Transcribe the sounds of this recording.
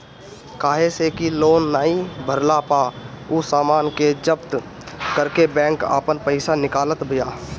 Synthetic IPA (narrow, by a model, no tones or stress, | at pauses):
kaːɦesekiloːnːaːɦĩbʱəɾlapaː | ʊsaːmaːnked͡ʒəpt̪ | kəɾkebɛ̃ːŋka̰ːpənpəɪsanɪkaːlət̪bʱɪjaː